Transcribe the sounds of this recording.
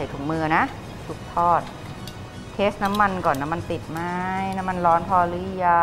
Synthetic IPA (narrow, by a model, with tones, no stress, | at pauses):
a˨˩jt̪ʰu˨˩mɯː˧na˦˥ʔ | su˨˧˩k̚t̪ʰɔː˥˩t̪̚ | t̪ʰeː˦˥st̪̚na˦˥mːa˧nkɔː˨˩nːa˦˥ma˧nt̪i˨˩t̪̚ma˥jna˦˥ma˧nlɔː˦˥np̪ʰɔː˧lɯ˧˥ja˧